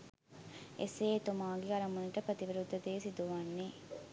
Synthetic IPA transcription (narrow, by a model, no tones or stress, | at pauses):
eseːt̪umaːɡiɐɾɐmuniʈəpɾət̪iʋiɾud̪ʱːɐd̪eːsid̪uʋɐnːe